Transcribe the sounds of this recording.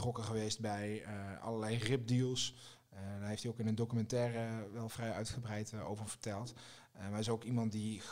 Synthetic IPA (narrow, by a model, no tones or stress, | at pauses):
trɔkəχəʋejst̚bɛjɑ̰ləɹlɛjrɪp̚dilˠs | daːɹɦejftiowkɪnəndokymɛntɛːrəʋɛlˠv̥rɛjœɥtχəbrɛjto̰wvəɹv̥əɹtɛlˠt | maɪsowkimɑntdi